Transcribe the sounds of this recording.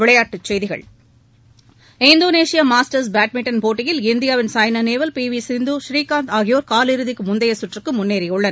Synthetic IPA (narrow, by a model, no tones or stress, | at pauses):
ɪɭɐjaːʈːɯt͡ʃːɛjðɪɣɐ̰ɭ | ɪnd̪oːneːsɪjaːmaːsʈɐɾs̬baːʈ̚mɪʈːɐnpoːʈːɪjɪlɪnd̪ɪjaːʋɪnsaːjnɐneːʋɐlpiːʋisɪnd̪uʃɾiːkaːnt̪aːɣɪjoːɾkaːlɪɾɯðɪkːɯmʊnd̪ɐjɐsʊʈrɯkːɯmʊnːeːɾɪjʊɭːɐn